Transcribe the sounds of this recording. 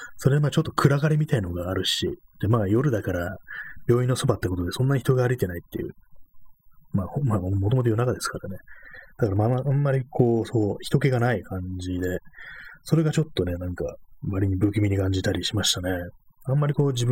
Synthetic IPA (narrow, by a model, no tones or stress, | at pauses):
so̞ɾeamaːt͡ɕot̪ːo̞kʰɯ̟ɾaɡaɾʲimʲit̪ainoɡaːɾɯ̟ɕḭd̪̥emaːjo̞ɾɯ̟d̪akaɾabʲjo̞ːĩnːo̞so̞bat̪ːeko̞t̪od̪e̞sõ̞nːaɲ̟içi̥t̪o̞ɡaːɾʲit̪e̞nait̪ːe̞̰jɯ̰ | maːhomaːmot̪o̞mo̞t̪ojo̟nakad̪e̞sɨ̥kaɾane̞d̪̥akaɾamaãmːaɾʲikʰo̞ːso̞ːçi̥t̪o̞ke̞ɡanaikʰãɲd͡ʑid̪e̞so̞ɾe̞ɡat͡ɕo̞t̪ːo̞ne̞nãŋkaβaɾʲiɲ̟ibɯ̟ːkʲimʲiɲ̟ikãɲ̟d͡ʑit̪aɾʲiɕimaɕi̥t̪ane̞ | ãmːaɾʲiko̞ːd͡ʑib